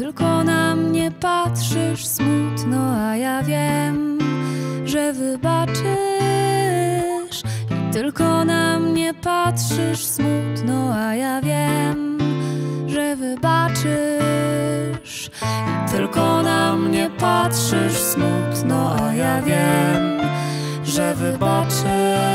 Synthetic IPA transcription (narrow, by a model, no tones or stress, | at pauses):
t̪ɘlkɔnamɲɛpat̪ʂɘʂsmut̪nɔajavʲjɛm | ʐɛvɘbat͡ʂɘ | ʂit̪ɘlkɔnamɲɛpatʂɘʂsmut̪nɔajavʲjɛm | ʐɛvɘbat͡ʂɘ | ʂ | it̪ɘ̰lkɔnamɲɛpatʂɘʂsmut̪nɔʔajavʲjɛm | ʐɛvɪbat͡ʂɘ